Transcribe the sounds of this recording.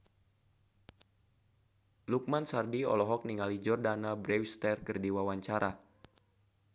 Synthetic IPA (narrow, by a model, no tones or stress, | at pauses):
luk̚mansardiɔ̰lɔɦɔk̚niŋalid͡ʒɔrdanabɾɛwst̪ɛrkərdiwawaɲt͡ʃaɾa